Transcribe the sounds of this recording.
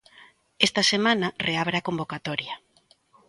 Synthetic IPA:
est̪ɐsemãnareaβɾaːkombokat̪ɔɾja

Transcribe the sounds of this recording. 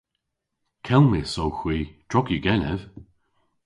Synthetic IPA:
kʰɛlˠmisowxwiːd̥ɹɔɡiɡɛnɛv̥

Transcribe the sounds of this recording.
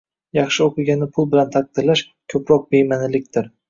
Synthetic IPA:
jɑχʃɪoqɨɡʲanːɪpʰʊlˠbɪlant̪ʰaq̚d̪ɪɾlaʃ | kʲʰɵpɾɒq̚bejmanɪlɪk̚ʲt̪ʰɪɾ

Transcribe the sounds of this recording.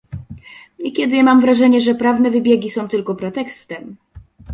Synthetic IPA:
ɲekʲɛd̪ɘmamvɾaʐɛɲɛʐɛpɾavnɛvɘbʲjeɡʲisɔ̃w̃t̪ɘlkɔpɾɛt̪ɛkst̪ɛm

